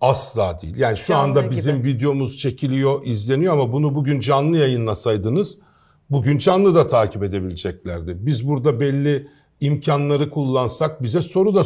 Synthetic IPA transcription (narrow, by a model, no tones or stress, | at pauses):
aslˠaːd̪ijḭlʲjaːniʃuand̪abizimvid̪ejomuz̥t͡ʃʰe̞cʰilʲijo̞ʔizlʲe̞nijo̞amabunubuɟʲynd͡ʒanlˠɯjajɯnlˠasajd̪ɯnɯz̥ | buɟynd͡ʒanlˠɯd̪at̪ʰaːcʰipe̞d̪e̞bilʲed͡ʒɛclʲæɾd̪ɪbizbuɾd̪abɛlʲːiː | mcʰanlˠaɾɯkʰulˠːansak̚bizɛso̞ɾud̪a